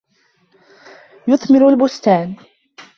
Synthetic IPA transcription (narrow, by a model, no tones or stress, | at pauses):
jʊðˤmɪɾʊlbʊst̪aːn